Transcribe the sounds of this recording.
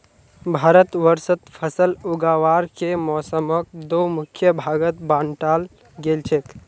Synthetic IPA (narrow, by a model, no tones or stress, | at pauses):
bʱaɾət̪ʋəɾsət̪pʰəsəluɡaʋaɾkemɔsəmək̚d̪omukʰjəbʱaɡət̪̚banʈal | ɡelt͡ʃʰɛt̪